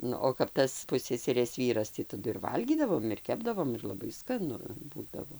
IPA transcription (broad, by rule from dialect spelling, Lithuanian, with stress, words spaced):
ˈnʊ oː kɐp ˈtɐs ˈpʊsʲsʲɛsʲɛrʲeːs ˈʋʲiːrɐs tʲiː tɐˈdʊ ɪr ˈʋɐlʲɡʲiːdɐʋoːm ɪr ˈkʲæːbdɐʋoːm ɪr lˠɐˈbɐɪ skɐˈnʊ ˈbuːdɐʋoː